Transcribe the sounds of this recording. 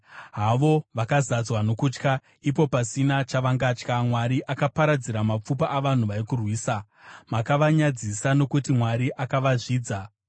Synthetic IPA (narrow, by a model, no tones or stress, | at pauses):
ɦaʋo̞ʋakazad͡zwano̞kut͡ʃka | ip̬o̞pasinat͡ʃaʋaŋɡaːt͡ʃkamwaɾiʔakapaɾad͡ziɾamap͡fupaʔːʋan̤uʋaikurwiːsa | makaʋaɲad͡zisano̞kutimwaɾiʔakaʋaʐiːd͡za